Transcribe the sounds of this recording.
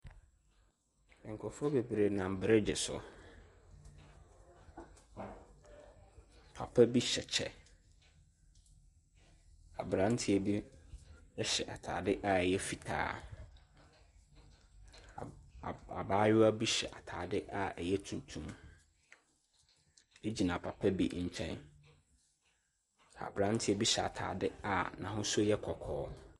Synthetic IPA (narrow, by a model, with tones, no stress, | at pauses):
ɛ˨ŋ̩˨kʰɔ˨fɔ˦be˨bɾe˨nã˨m˨bɪ˨ɾɛ˦d͡ʑɪ˨sʊ̰˨ | pʰa̰˨pʰɛ˦bi˦ɕɛ˨t͡ɕʰɛ̰˨ | a̰˨bɾã˨˦n˦tʰɪ˦ɛ˨bi˦ | ɛ˦ɕɛ˨ʔa̰˨tʰa̰ː˨dɪ˦ʔa˨ɛ˨jɛ˦fi˨tʰa̰ː˦˨ | a˨baː˦jʊ˦a˦bi˦ɕɛ˨ʔa˨tʰaː˨dɪ˦ʔa˨ɛ˨jɛ˦tʰũ˨n˨tʰũ˦m | e˦d͡ʑi˨nã˨pʰa˨pʰɛ˦bi˦ɲ̩˨t͡ɕʰɛ̰̃˦n | a̰˨bɾã˨˦n˦tʰɪ˦ɛ˦bi˦ɕɛ˨a̰˨tʰa̰ː˨dɪ˦a˨nã˨ɦʊ̃˦sʊ˦jɛ˦kʰɔ˨kʰɔː˦